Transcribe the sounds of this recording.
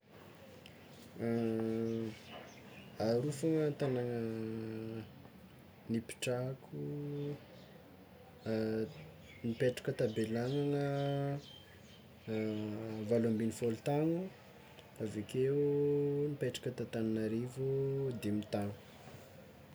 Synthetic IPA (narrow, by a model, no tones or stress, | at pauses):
aɾufoŋənt̪anaŋə | nipi̥ʈ͡ʂakʰu | nipeʈ͡ʂḁkʲət̪abelaŋaŋə | valambinifolut̪aŋu | avekeunipeʈ͡ʂḁkʲət̪at̪ananaɾevud̪emit̪aŋu̥